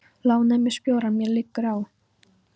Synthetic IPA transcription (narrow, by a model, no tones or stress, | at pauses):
laːwnɛmɪspjoːwɾamjɛlɪkːʏɾaw